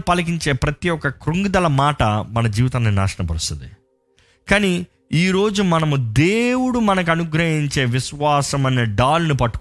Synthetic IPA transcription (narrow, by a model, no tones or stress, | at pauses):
pɐlɐk̬iɲt͡ʃe̞ːpɾɐt̪ijɔkːɐkɾuŋɡud̪ɐlɐmaːʈɐmɐnɐd͡ʒiːʋit̪ɐːnnina̰ːʂɐɳɐpɐɾust̪ʰut̪i | kaːni | iːɾo̞ːd͡ʒumɐnɐmud̪eːwuɽumɐnɐk̬uɐnuɡɾɐɦiɲt͡ʃe̞ːʋiʃʋaːsɐmɐnːiɖaːlɐnupɐʈːu̥k